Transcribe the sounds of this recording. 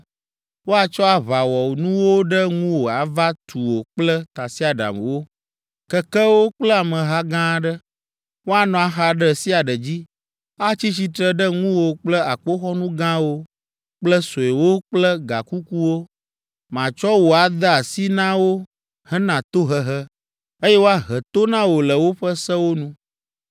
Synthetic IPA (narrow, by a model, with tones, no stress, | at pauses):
wo˦a˨t͡ʃɔ˦a˨βa˨wɔ˨wnũ˦wo˦ɖə˦ŋũ˦wo˨a˨va˦t̪ʰu˨wo˨k͡plə˦t̪a˨si˦a˨ɖa̰˨m̰˨wo˦ | kɛ˦kə˦wo˦k͡plə˦a˨mə̃˨ɦa˦ɡã˦ɖə˦ | wo˦a˨nɔ̃˨a˨xa˨ɖə˦si˦a˨ɖə˨d͡ʑi˦ | a˦t͡ɕi˦t͡ɕi˦t̪ɾə˦ɖə˦ŋũ˦wo˨k͡plə˦a˨k͡po˦xɔ˦nũ˦ɡã˦wo˦ | k͡plə˦so˨e˨wo˦k͡plə˦ɡa̰˨ku˦ku˦wo˦ | mã˨t͡ʃɔ˦wo˨a˨d̪ə˦a˨si˦nã˦wo˦ | hə˦nã˨t̪o˦ɦə˦ɦə˦ | e˦jɛ˦wo˦a˦ɦə˨t̪o˦nã˦wo˨lə˨wo˦ɸə˦sə˦wo˦nũ˦